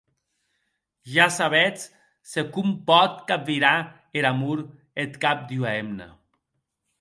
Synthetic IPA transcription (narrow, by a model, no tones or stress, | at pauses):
ʒasaβɛt͡s | sekumpɔt̪kap̚viɾa | eɾamuɾ | et̪kap̚d̪iuaemna̰